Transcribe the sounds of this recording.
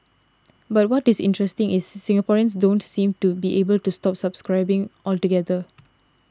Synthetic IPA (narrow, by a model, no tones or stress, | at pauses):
bat̚wɔtisɪ̰̃ntɹɛstɪ̃ŋʔɪsːĩŋapɔɹiə̃ns̬dõntsĩmtubiʔebəltustɔpsabskɹaɪbɪ̃ŋʔɔltuɡɛd̪ə